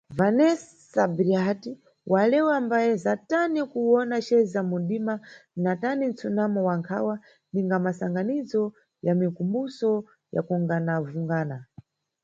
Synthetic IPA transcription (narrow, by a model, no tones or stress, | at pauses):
vanɛs | sabɾiati | walɛwambajɛzatanikuwɔnaʃɛzamunɗimanatanint͡sunamɔwaŋkʰa̰wa | niŋɡamasaŋɡanizɔ | jamikumbusɔ | ja̰kuŋɡanavuŋɡaːna